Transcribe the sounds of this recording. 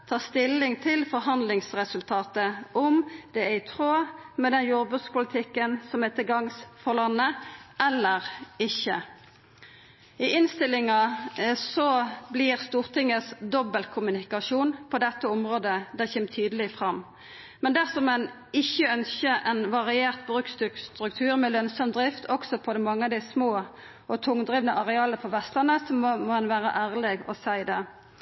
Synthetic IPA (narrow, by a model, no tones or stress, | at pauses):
t̪ʰɑːʁst̪ɪlːɪŋt̪ʰɪlfɔʁɦɑnd̪lɪŋsʁɛsʉlt̪ʰɑːt̪əɔmd̪̥ɛɪt̪ʰʁoːmɛd̪ɛnjuːɾbʉt̪spʊlɪt̪ʰɪkːənsɔmɛt̪əɡɑŋsfɔʁlɑnːəʔɛlːəʁɪçːə | ɪʔɪnst̪ɪlːɪŋɑsɔblɪʁst̪uːʁt̪ʰɪŋːəsd̪ɔbəlkʰʊmʉnɪkɑʂuːnpʰɔd̪ɛt̪ːəʊmʁoːd̪əd̪ɛçɛːmt̪ʰyːd̪əlɪfʁɑmː | mɛnd̪æʁsɔmɛn | ɪçːəœnsçəʔɛnʋɑʁɪeːʁt̪bʁʉːkst̪ʉkst̪ʁʉk̚t̪ʰʉːʁmɛlœnsɔmd̪ʁɪft̪ʰɔksɔpʰɔd̪ɛmɑŋːəɑd̪ɪsmoː | ɔt̪ʰʊŋd̪ʁiːʋnəʔɑʁɛɑːləpʰɔʋɛst̪lɑnəsɔmɔmɔɛnʋæːʁə̰ʔæːʁlɛɡɔ̰sæɪd̪ɛ